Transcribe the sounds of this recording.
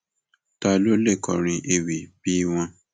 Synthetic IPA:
ta˧lo˦le˦˨kɔ˨ɾ̃ĩ˧ʔe˧wi˨bi˦w̃ɔ̃˧

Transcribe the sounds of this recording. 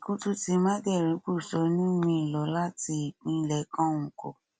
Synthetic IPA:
ku˦tu˦ti˧mã˦ɡɛ˦˨ɾĩ˨˦k͡pu˦˨sɔ˨˦nũ˦mĩ˧˦˨lɔ˨˦la˦ti˧i˨k͡pĩ˨˦˨lɛ˧˦kã˦˨ŋ̩̃˨kɔ˨

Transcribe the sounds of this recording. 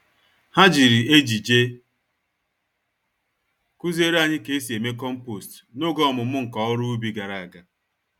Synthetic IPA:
ha˦d͡ʒi˨ɾi˨e˦d͡ʒi˨d͡ʒe˦ | ku˦ze˦ɾa˨ɲɪ˦ke˨˦s̬i˨e˨me˦kɔ˦m̩˦po˨st | no˦ɡɔ˦ɔ˨mʊ˨mʊ˦ŋ̩˨kɔ˦ʊ˦ɾʊ˦u˦bi˦ɡa˨ɾa˨a˨ɡa˨

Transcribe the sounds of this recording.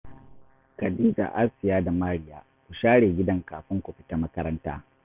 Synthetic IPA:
kɐ˨diː˦za̰˨ʔa˦lsɪ˨jaː˦da˨maː˦ɽɪ˨ja̰ː˦ | kʷu˨ʃaː˦ɽeː˨ɡʲɪ˦dɐ˦ŋkaː˨ɸɪ˦ŋkʷu˨ɸɪ̥˦ta˦mɐ˦kɐ˦ɾɐ˦nta̰ː˦

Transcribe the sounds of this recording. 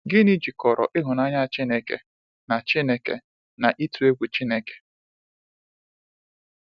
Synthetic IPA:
ɡɪ˦ni˦d͡ʒi˨kɔ˨ɾɔ̰˨ʔɪ˦ɦʊ˨na˦ɲa˦˨t͡ʃi˦ne˨kḛ˨ | na˨t͡ʃi˦ne˨kḛ˨ | na˨ʔi˦tu˨e˦kʷu˨t͡ʃi˦ne˨ke̥˨

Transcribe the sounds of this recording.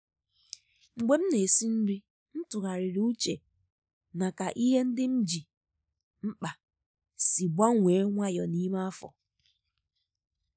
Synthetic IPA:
ŋ͡m̩˨ɡ͡be˦m̩˦ne˨si˦n̩˦bi˦ | n̩˦tʊ˨ɣa˨ɾɪ˨ɾu˦u˦t͡ʃe˨ | na˨ka˨ʔi˦ɦe˦n̩˦dɪ˦m̩˦d͡ʒi˨ | m̩˦k͡pa˨ | si˨ɡ͡bʷa˦ŋʷe˨˦ŋʷa˦jɔ˨ni˦ma˦a˦fɔ̰˨

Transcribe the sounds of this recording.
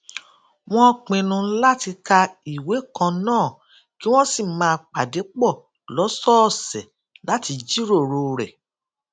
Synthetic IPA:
w̃ɔ̃˦k͡pĩ˨˧nũ˧la˦ti˧ka˧i˨we˨˦kã˧nãː˦˨ | ki˦w̃ɔ̃˦si˦˨mãː˧k͡pa˨de˨˦k͡pɔ˦˨ | lɔ˨˦sɔ˦˨sɛ˨ | la˨˦ti˧d͡ʒi˦ɾo˦˨ɾo˧˨ɾɛ˨

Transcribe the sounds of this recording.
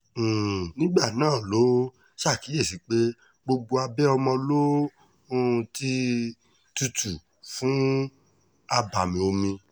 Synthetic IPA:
nĩ˦ɡ͡ba˦˨nãː˦˨lo˨˦ | ʃa˦˨ki˨˦je˦˨si˨˦k͡pe˦ | ɡ͡bo˧ɡ͡bo˧a˧bɛ˦ɔ˧mɔ̃˧lo˦ | õ˦˧ti˦ | tu˧tʰu˨ | fũ˨˦ | a˧ba˨mĩ˨o˧mĩ˧

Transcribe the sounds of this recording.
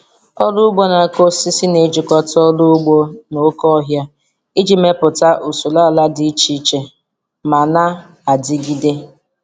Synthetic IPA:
ɔ˦lʊ˦ʊ˦ɡ͡bo˦na˨ko˦si˦si˦ne˨˦d͡ʒɪ˨kɔ˦tɔ˦lu˦ɡ͡bo˦no˦kɔ˦ɦja˦ | ɪ˦d͡ʒi˨me˦pʊ˨ta˦ʔu˨su˨la˦˨la˦dɪ˨i˦t͡ʃi˨˦t͡ʃe˨ | ma˨na˦ | a˨dɪ˦ɡi˦de˦

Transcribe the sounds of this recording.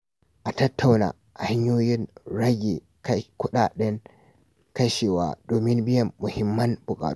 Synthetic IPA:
ʔa˨tɐ˦tʰːa˨wna̰ː˨ha˦ɲːoː˦jɪ˦nɽɐ˦ɡʲe˨ | ka˦jkʊ˦ɗaː˨ɗɐ˦n | kɐ˦ʃeː˨wa̰ː˨doː˨mɪ˦nbɪ˦jɐ˨mːʊ˨hɪ˦mːɐ˦nbʊ˨kʼa̰ː˨

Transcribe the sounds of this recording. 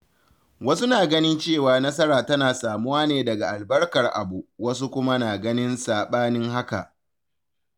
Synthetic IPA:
wɐ˦su˦naː˨ɡɐ˦nɪ˦nt͡ʃeː˦˨waː˨nɐ˦s̬ɐ˦ɾaː˨tɐ˦naː˨saː˨mʊ˦waː˦neː˨dɐ˨ɡa˨ʔa˨lbɐ˦rkɐ˨rʔa̰˨bu˨wɐ˦s̬u˦kʷʊ˦ma˦naː˨ɡɐ˦nɪ˦nsaː˨ɓaː˦nɪ˦ŋha˦ka˨ʔ

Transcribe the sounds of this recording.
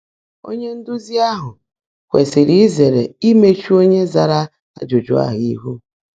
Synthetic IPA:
o̰˦ɲe˦n̩˦dʊ˦zi˦a˦ɦʊ˨ | kʷe˨sɪ˨ɾi˦ze˨ɾe˨i˦me˦t͡ʃu˦o˦ɲe˦za˨ɾa˦ | a̰˨d͡ʒo˨d͡ʒʊ˦a̰˦ɦʊ˨i˦ɦu˦

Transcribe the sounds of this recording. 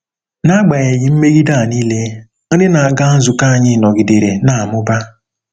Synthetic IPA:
na˦ɡ͡ba˨ɲe˨jɪ˨m̩˦me˦ɡi˦da˦˨niː˦le˦ | dɪ˦na˨a˨ɡa˦n̩˦zʊ˨ka˦a˨ɲɪ˦˨nɔ˨ɡi˨de˨ɾe˨na˨a˨mʊ˦ba˦

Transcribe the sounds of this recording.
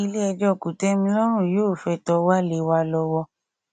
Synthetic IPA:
i˧le˦ɛ˧d͡ʒɔ˦˨ku˨tɛ˦mĩ˧lɔ˦ɾ̃ũ˦˨jo˦˨fɛ˧˨tɔ˧wa˦le˨˦wa˧lɔ˧wɔ˧

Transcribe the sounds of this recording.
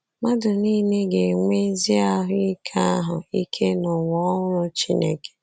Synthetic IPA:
ma˦dʊ˨niː˦ne˦ɡe˨ŋʷe˦zi˦a˦ɦʊ˦i˦kʰa˦a˦ɦʊ˨i˦kʰe˦nʊ˨wɔ˨˦ŋʊ˦ɾʊ˦t͡ʃi˦nḛ˦ke̥˨

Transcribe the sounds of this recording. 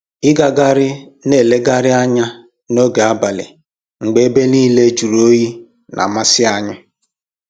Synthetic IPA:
ɪ˦ɡa˨ɡa˦ɾɪ˦ne˦˨le˦ɡa˦ɾɪ˦a˦ɲa˦ | no˦ɡe˨a˦ba˨lɪ̰˨ | ŋ͡m̩˨ɡ͡be˦e˦be˦niː˦le˦d͡ʒu˨ɾo˦ji˦ | nʔa̰˨ma˦sɪ˦a˦ɲʊ˦

